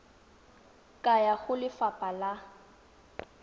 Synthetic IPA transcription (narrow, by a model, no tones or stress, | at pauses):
kʼajaɣʊlɪfapʼala